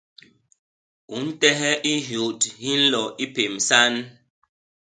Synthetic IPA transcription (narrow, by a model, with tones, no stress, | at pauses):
u˨˦n̩˦tɛ˦ɦɛ˦ʔi˦ɦjo˨thi˦n̩˦lɔ˨ʔi˦pe˨msa˦n